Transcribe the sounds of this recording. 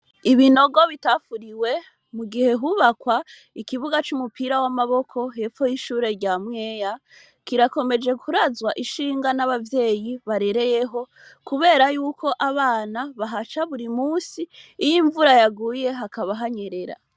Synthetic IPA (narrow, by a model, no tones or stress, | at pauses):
iβino̞ɡo̞βitafuɾiwe̞ | muɡihe̞ɦuβakwa | ikiβuɡat͡ʃumupiɾawamaβo̞kʰo̞ɦe̞fo̞jiʃuːɾe̞ɾɟamwe̞ːja | kiɾako̞me̞d͡ʒe̞kuɾazwaʔiʃiːŋɡanaβavje̞ːjiβaɾe̞ɾe̞je̞ɦo̞ | kuβe̞ːɾajuːkʰo̞ʔaβaːnaβaɦat͡ʃaβuɾimuːsiːjiɱvuɾajaɡuːje̞ɦakaβaɦaɲe̞ɾe̞ɾa̰